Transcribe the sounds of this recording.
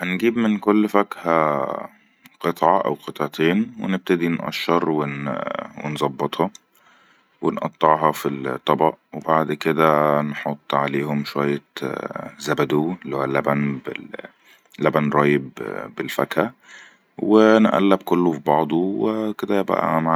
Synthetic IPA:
ænɡiːbmenkolːfækhæ | qet̪ˤʕɑʔæ̰wqet̪ˤʕt̪ʰeːnwḛneb̚t̪æd̪inʔɑ̰ʃːɑɾˤwenwḛnzˤɑbːet̪ˤhɑ | wenʔɑ̰t̪ˤːɑʕɦɑfilt̪ˤːɑbɑ̰ʔwebaʕd̪ked̪ænħot̪ˤːʕaleːhomʃowæjːæ | zæbæd̪uːlːiːhoælːæbænbḛ | læbænɾˤɑːjebbelfækhæ | wenʔæ̰lːæbkolːofibɑʕd̪ˤuweked̪æbæ̰ʔæ̰ma

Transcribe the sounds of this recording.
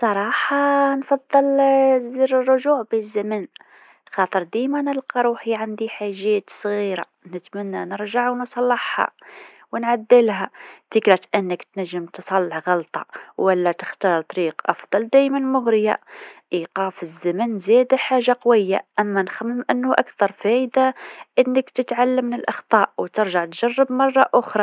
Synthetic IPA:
sˤɑɾˤɑħɑnfɑd̪ˤːɑlziɾrˤːʊʒuʕbizːæmən | xɑt̪ˤəɾd̪æjmænəlqɑɾˤuħiʕand̪iħaʒæt̪sˤɣiɾa̰ | nət̪mənːænəɾʒaʕwnsˤɑlːɑħhɑ̰ | wənʕad̪ːəlɦæfəkɾæt̪ʔənːəkt̪næʒːəmt̪sˤɑlːəħɣɑlt̪ˤɑwælːæt̪ə̥xt̪ɑːɾˤt̪ˤɑɾiːqʔɑ̰fd̪ˤɑld̪æːjmænmʊɣɾɪja̰ʔiqɑːfəzːæmənzæːd̪aħaːʒːaqwɪjːa̰ʔæmːænxæmːəmʔɪnːʊʔa̰kθɑɾˤfæjd̪aʔɪnːəkt̪ət̪ʕalːəmːnɪlʔɑxt̪ˤɑːʔwt̪ɪɾʒaʕt̪ʒɑrːəbmɑrˤːɑʔʊxɾˤɑ

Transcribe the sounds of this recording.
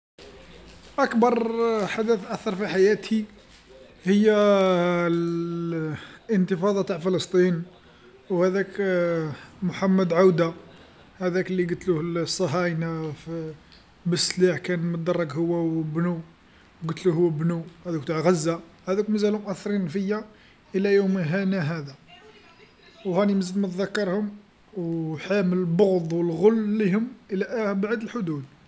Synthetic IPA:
ʔækbɑɾˤħad̪æθʔæθɑɾˤfiħajæt̪ʰi | həjːæ | ənt̪əfɑd̪ˤɑt̪aʕfələst̪ˤin | whæd̪æk | mʊħamːəd̪ʕawd̪a | hæd̪ækliɡət̪luhlsˤːɑɦæjnaf | bəsliħkænmət̪̚d̪ɑrˤːɑɡhʊwːæbnu | wɡət̪luhːbnuhæd̪ækt̪aʕɣæzːa | hæd̪ækmæzælhʊmʔæθːɾinfəjːa | ʔəlæjumɦænæɦæd̪æ | whæniməzːəlmət̪ðækːɑɾˤhʊm | wħæmələboɣd̪ˤwəlɣʊlːihʊmʔəlæʔæbaʕd̪əlħʊd̪ud̪

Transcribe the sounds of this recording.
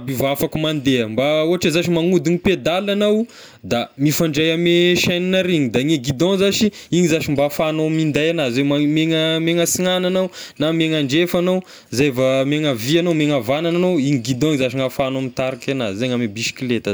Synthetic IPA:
bivafakumand̪eəmbaoaʈ͡ʂazaʃimaŋud̪iɲiped̪alanaw | d̪amifaɳɖ͡ʐajameʃaninaɾiɲid̪aŋeɡid̪ɔ̃zaʃiiɲizaʃimbafanoamind̪ajanazwemmeŋəmeŋəsiŋananawnameŋaɳɖ͡ʐefanow | zevameŋəvianowmeŋavanananowiɲiɡid̪ɔ̃iɲzaʃiŋafanamit̪aɾikanazizeɲamebisi̥kilet̪ə

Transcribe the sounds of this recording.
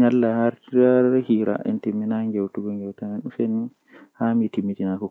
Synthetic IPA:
ɲalːahaɾtiɾaɾhiɾa̰ʔɛ̰ntimːinaŋɡɛwtuɡɔŋɡɛwtamɛnɗuseni | haːmitimːitinakɔ

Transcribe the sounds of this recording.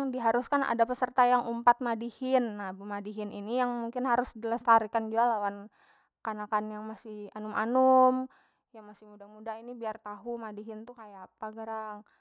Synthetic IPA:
ŋdiɦaɾuskanʔa̰dapəsərt̪ajaŋumpat̪̚madihɪnːabumadiɦɪninijaŋmuŋkɪnɦaɾʊsdiləst̪aɾikand͡ʒualawan | kanakanjaŋmasɪhanumʔa̰nʊm | jaŋmasɪhmudamudaɦinibiart̪aɦumadiɦɪnt̪ukajaapaɡəɾaŋ

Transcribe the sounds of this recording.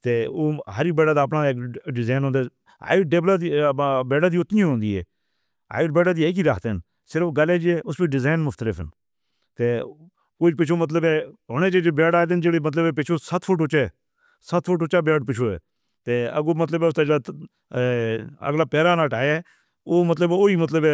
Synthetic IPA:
t̪eːoːɦəɾiːbeːɽaːd̪aːəpnaːekɖɪzaːnɦõːnd̪eː | a̰ːiɖeːblaːd̪ibeːɽaːd̪iːʊt̪nĩɦõːnd̪iːɦɛ̰ː | a̰ːiʈbeːɽaːd̪iːeːk̬iːɾaːkʰt̪en | sɪɾəfɡaleːd͡ʒieːʊsbiːɖɪzaːnmʊft̪əlɪfən | t̪eː | koːipɪt͡ʃʰoːmət̪ləbɛ̃ːɦʊnẽːt͡ʃeːd͡ʒebɛːɖaːd̪end͡ʒeːɽeːmət̪ləbɛpɪt͡ʃʰoːsət̪ʰfʰʊʈʊt͡ʃɛː | sət̪ʰfʰʊʈʊt͡ʃaːbeːɖpɪt͡ʃʰoːɛ̰ː | t̪eːə̰ɡoːmət̪ləbɛːʊst̪aːd͡ʒeɽaː | ə̰ɡlaːpɛːɾaːnaːʈaːjeː | oːmət̪ləboːiːmət̪ləbɛː

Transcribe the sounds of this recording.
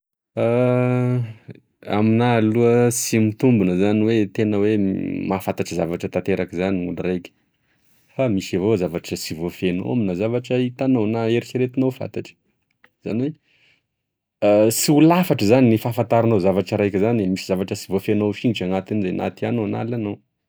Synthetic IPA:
a | a̰minaluəsimit̪umbunəzaniwet̪enəwemafant̪aʈ͡ʂəzavaʈ͡ʂət̪at̪eɾakizaniṵlirajkʲə̥ | famisavozavaʈ͡ʂəsivofeno̰waminazavaʈ͡ʂəit̪anownaeɾisiɾet̪inowfa̰nt̪aʈ͡ʂə̥ | z̥a̰niwe | asiulafaʈ͡ʂəzaninifafant̪aɾinozavaʈ͡ʂəɾajkʲizanmisi̥zavaʈ͡ʂəsivofenoʃiŋiʈ͡ʂaŋat̪inizajnʔa̰t̪ianona̰lanow

